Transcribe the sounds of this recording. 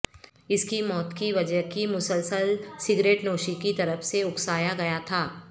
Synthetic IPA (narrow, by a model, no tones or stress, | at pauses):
ɪskimɔːt̪kiʋɐd͡ʒəɦkimʊsəlsəlsɪɡɾeːʈnoːʃikit̪ɐɾəfseʊksaːjaɡɐjat̪ʰaː